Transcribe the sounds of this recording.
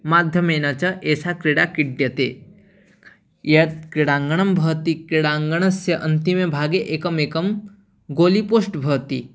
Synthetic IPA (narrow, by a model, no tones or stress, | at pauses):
maːd̪ʱjɐmeːnɐt͡ʃɐʔeːsakɾiɽakiɖjɐt̪e | jɐt̪̚kɾiɽaːŋɡɐɳɐmbʱɐːt̪ikɾiɽãːŋɡɐɳ̃ɐsjɐʔɐnt̪imebʱaːɡeʔeːkɐmeːkɐm | ɡoːlipoːsʈbʱɐːt̪i